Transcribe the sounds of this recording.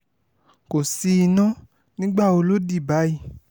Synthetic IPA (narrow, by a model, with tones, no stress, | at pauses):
ko˨si˧i˧nã˦ | nĩ˦ɡ͡ba˦˨o˧lo˦di˦˨ba˨˦ji˦˨